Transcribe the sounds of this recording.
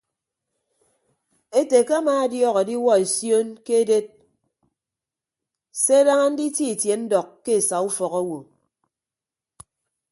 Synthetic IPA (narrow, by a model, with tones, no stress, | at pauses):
e˦te˨ke˦a˦maː˨˦a˦djɔː˦ɣɔ˨di˦wɔ˦e˨sjo˦nke˦e˦de˦t̚ | se˦a˦da˦ŋa˦n̩˦di˦ti˦i˨tje˨n̩˦dɔ˨kːe˦e˨sa˨u˦fɔ˨ɣɔ˦wo˨